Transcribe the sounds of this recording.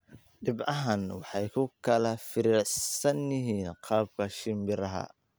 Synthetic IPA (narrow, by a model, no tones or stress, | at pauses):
ɖɪbɐɦɐnwɑħɑjkʰʊkʰɐlɐfɪɾɪʕsɐnjɪɦiːnqʰɑːb̚kʰɐʃɪmbɪɾɐɦɐ̰